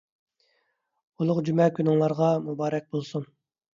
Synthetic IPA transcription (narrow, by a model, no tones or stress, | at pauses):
ulˠʊqd͡ʒymɛkʲʰynɪŋlˠɑɾʁɑmubɑːɾɛk̚ʲbolˠsuŋ